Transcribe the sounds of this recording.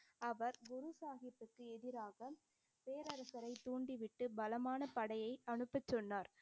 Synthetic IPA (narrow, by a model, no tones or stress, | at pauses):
ɐʋɐɾɡʊɾɯsaːɣɪpːɯkːɯɛðɪɾaːɣɐ | peːɾɐɾɐsɐɾɐɪt̪uːɳɖiʋɪʈːɯbɐlɐmaːnɐpɐɽɐjɐɪɐɳɯpːɐt͡ʃːɔnːaːɾ